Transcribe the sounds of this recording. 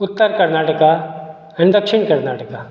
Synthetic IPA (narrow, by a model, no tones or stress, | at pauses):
ʊt̪ːəɾkɐɾnaːʈɐka | ɐnd̪ɐkʂɪɳkɐɾnaːʈəka